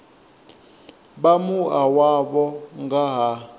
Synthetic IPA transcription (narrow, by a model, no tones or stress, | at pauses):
ɓamuawaɓɔŋɡaɦa